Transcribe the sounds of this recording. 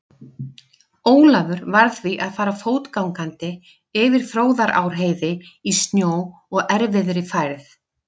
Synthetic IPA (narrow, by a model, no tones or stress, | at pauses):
oːwlavʏɾvaɾθviʔaðfaːɾafoːwt̪kawŋkant̪ɪ | ɪvɪɾ̥θɾoːwðaɾʔa̰ːwɾ̥ɦeːjðɪist̪njoːw | ɔɣɛɾvɪðɾɪfajɾθ